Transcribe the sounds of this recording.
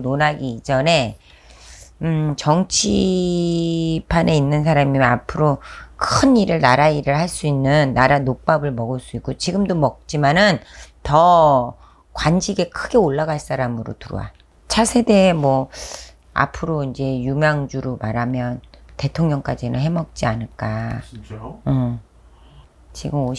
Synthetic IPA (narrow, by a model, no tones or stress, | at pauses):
nonaɡiːd͡ʑʌne̞ | t͡ɕʌŋt͡ɕʰi | pʰane̞inːɯnsʰaɾamiapʰɯɾokʰɯniɾɯɭnaɾaiɾɯɭhaɭs͈uinːɯnːaɾanok̚p͈abɯɭmʌɡɯɭs͈uik͈ot͡ɕiɡɯmdomʌk̚t͡ɕ͈imanɯntʌ | kwand͡ʑiɡe̞kʰɯɡe̞oɭːaɣaɭs͈aɾamɯɾo̰tuɾo̰wa̰ | t͡ɕʰasʰe̞de̞ːmwʌ | a̰pʰɯɾoind͡ʑe̞jumjaŋd͡ʑuɾomaɾamjʌnte̞tʰoŋɲʌŋk͈ad͡ʑinɯ̰nɦe̞mʌk̚t͡ɕ͈ianɯɭk͈a | ɯ | t͡ɕiɡɯmo